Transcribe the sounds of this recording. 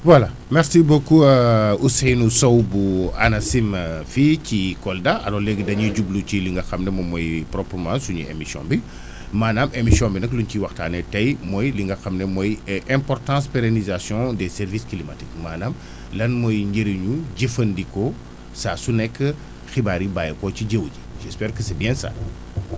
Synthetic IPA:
wala | mɛɾsibokuəusɛjnusɔwbuanɐsimficikɔldaɐ̰lɔɾlɛɡdɐɲiɟubluciliŋɡɐxɐmnɛmɔmɔjprɔpəmãsuɲḭḛmisjɔ̰̃bi | maːnamemisjɔ̃binɐklunciwɐxta̰ːnɛtɐjmɔjliŋɡɐxɐmnɛmɔjɛʔɛ̃mpɔrtɑ̃ːspeɾenizasjɔ̃dɛsɛɾviskilimatikmaːnam | lɐnmɔjɲɟeɾiɲuɟəfɐndikɔ | saːsunɛkːə | xibaɾibaːjkɔciɟəwɟiʒɛspɛːɾkəsɛbjɛ̃nsa̰ː

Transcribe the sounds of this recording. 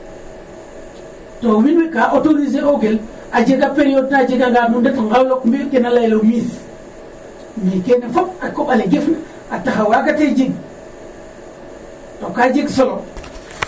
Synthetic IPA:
towinwekaʔotonis̬eoɡel | ad͡ʒeɡapeɾijod̚nad͡ʒeɡaŋɡamundetŋɡawlokmbikenalajloɡmis | mikenafopakoɓaleɡefna | ataxawakated͡ʒiɡ | tokad͡ʒeɡsolo

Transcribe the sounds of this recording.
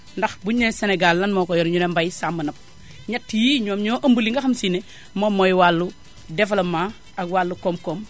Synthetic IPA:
ndɐxbuɲeseneɡalːɐnmɔːkɔjɔɾɲunembajsamːɐnɐp̚ | ɲɐtːijiɲɔːmɲɔːʔɐmbulːiŋɡɐxɐmsine | momɔjwalːu | dɛfɐlɐmːaː | ɐɡwaːlːukɔːmkɔːm

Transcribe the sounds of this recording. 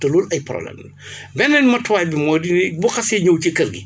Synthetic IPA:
tɐluːlɐjprɔ̰blɛ̰m | bɛnːɛnmɐtwaːjbimɔːdinɛbuxɐsɛɲowcikɐɾɡi

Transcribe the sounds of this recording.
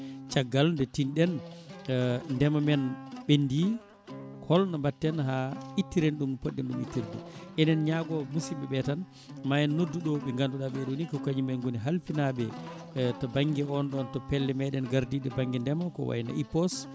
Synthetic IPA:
t͡ʃaɡːalndɛtinɗɛn | ndɛmamɛnɓendi | kʰɔlnambatːɛnɦaitːiɾenɗumpoɗːɛnɗumḭtːiɾdṵʔɛnɛnɲaɡɔmusiɓɛɓɛtan | majɛnːodːuɗɔɓɛŋɡanduɗaɓɛɗonikɔkaɲimajŋɡoniɦalfinaɓɛ | tɔbaŋɡɛɔnɗɔntɔpɛlːɛmɛɗɛnɡaɾdiɗɛbaŋɡɛndɛmakɔ̰wa̰jna̰ipɔs

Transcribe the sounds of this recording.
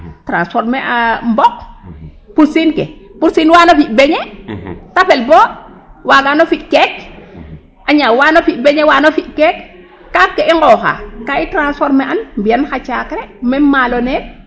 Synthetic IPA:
tɾanspɔɾmeʔambɔk̚ | pusinkɛpuɾsinwanofiʔbeɲɛtapɛlbo | waɡanofiʔkɛk | ʔaɲawanofiʔ̚beɲewaːnofiʔkekː | akːeʔiŋɡɔxa̰kaitɾansfɔɾmɛʔanmbianxat͡ʃakɾɛmɛmalone

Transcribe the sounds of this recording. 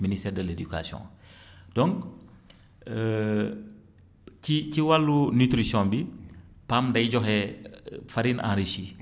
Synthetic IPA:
ministɛːɾdəleduka̰sjɔ̰̃d̥ɔ̃ŋk | ciciwalːunyt̪ɾisɔ̃bi | pamdɐjɟɔxɛ | faɾinʔã̰ɾiʃi

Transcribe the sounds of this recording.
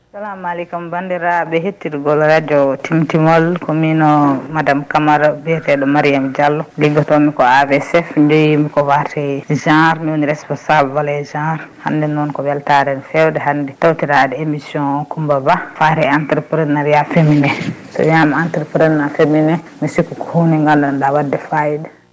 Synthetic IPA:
salamalikumbandiɾabɛɦetːiɾɡɔlɾad͡ʒɔtʰimtimɔlkominɔmadamkamaɾabɛtɛɗɔmaɾijamd͡ʒalːɔliɡːɔtɔmikɔavɛsɛfɲd͡ʒojmikɔwatʰɛd͡ʒãɾmiwoniɾɛspɔnsablwalɛd͡ʒãɾha̰ndɛnɔnkɔbɛltaɾɛnfɛwdɛɦandɛtawtiɾaːdɛemisjɔ̃nɔkumbabafaɾɛantɛɾpɾɛnnaɾjafeminɛsɔ̰jamaantɛɾpɾɛnnafeminɛ | misikːukɔhunɛŋɡandɔndawadːɛfajidɛ

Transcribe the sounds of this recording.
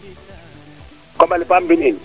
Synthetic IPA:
kɔmalipʰʼambʱiniːni

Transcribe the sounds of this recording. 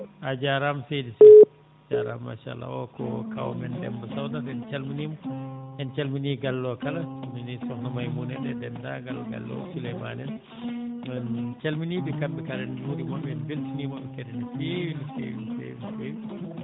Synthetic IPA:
ʔad͡ʒaɾamsedisɔ | d͡ʒaɾa̰mːa̰ʃa̰lːa̰ɔ̰kɔ̰ka̰w̰mɛndɛ̰mbɔsawdatɛnt͡ʃalminimɔʔɛnt͡ʃalminiɡalːɔkalasaminisɔknamajmunɛnɛdɛndaɡalɡa̰lːɔ̰sulɛmanɛn | ɛnt͡ʃalminiːɓikambikaɾɛnuɾimɔmɛnbiltinimɔbɛkɛdɛnifilfḭfḛnfi

